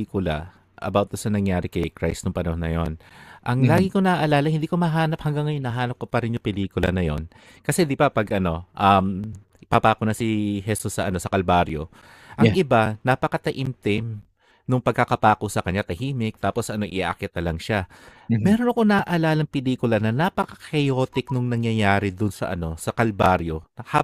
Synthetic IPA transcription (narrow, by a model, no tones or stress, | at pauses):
iːkʊlɐ̰ | ʔɐ̰bawt̪̚dɐsɐnɐŋjaːɾɪkɐjkɾajst̪nʊŋpɐnɐhɦonɐ̰jo̞̰nʔɐŋlaːɡɪkonɐaʔɐlaːlɐhɪnd̪iːko̞mɐɦaːnɐp̚hɐŋɡaŋːɐjonɐɦaːnɐp̚kopɐɾɪnjʊŋpɛliːkʊlɐ̰nɐjo̞̰n | kɐsɛd̪ibɐpɐɡʔɐno̞ʔɐm | papaːkʊnɐsihɛsusːɐʔɐno̞sɐkɐlbaɾjo̞̰ | ʔɐŋʔɪbanɐpɐkɐt̪ɐʔɪmt̪ɪm | nʊŋpɐɡ̚kːɐkɐpaːkosɐkɐɲːat̪ɐhiːmɪk̚t̪aːpo̞sʔɐno̞ʔɪʔa̰kɛt̪̚ːɐlɐŋʃa | mɛːɾonɐko̞nɐʔɐlaːlɐŋpɪliːkʊlɐnɐnapɐkɐ̥kɐjoːt̪ɪk̚nʊŋnɐŋjɐjaːɾɪd̪ʊnsɐ̰ʔɐ̰no̞sɐkɐlbaɾjo̞nɐha